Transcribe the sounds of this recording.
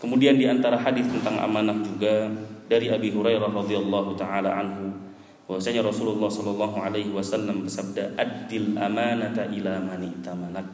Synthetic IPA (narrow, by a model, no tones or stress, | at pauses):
kəmudiandiant̪aɾaɦadɪθt̪ənt̪aŋʔa̰manak̚d͡ʒuɡadaɾiʔabiɦuɾajɾahrɑdialːɑɦut̪aʕalaʕanɦu | bawasaɲaɾɔsululːɑhsɔlɑlːɑɦuʕalaɦiwasalːambərsab̚daʔad̪ːɪlʔamanat̪aʔilamanɪʔt̪amanak̚